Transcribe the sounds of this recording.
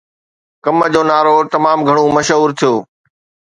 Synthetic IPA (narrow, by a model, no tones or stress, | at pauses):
kɐmə̆d͡ʑoːnaːɾot̪ɐmaːmɡʱɐɽ̃omɐʃɦuːɾt̪ʰijoː